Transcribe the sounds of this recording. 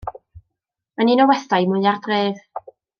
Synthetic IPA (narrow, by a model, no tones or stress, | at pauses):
maninɔwɛθajmʊjardreːð̥